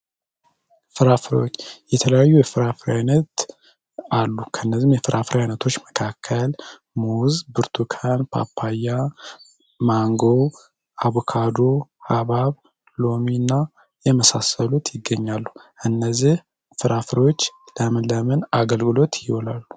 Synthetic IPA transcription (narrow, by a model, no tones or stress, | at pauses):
fɨɾafɨɾḭwot͡ʃːjɛt̪ʰələjajːujɛfɨɾafɨɾajnət̪ | alːukʰənːəzimjɛfɨɾʔafɨɾjajnət̪ʰo̞t͡ʃːməkʰakʰːəl | muzbɨɾt̪ʰukʰanpʰa̰pʰːajːa | maŋɡo̞ | ʔaβukʰad̪o̞haβaβ | lo̞minːa | jɛməsasəlut̪jɪɡːəɲːalːuʔɨnːəzːih | fɨɾʔafɨɾiwot͡ʃːləmɨləmɨnaɡəlɡɨlo̞t̪jɪholalːu̥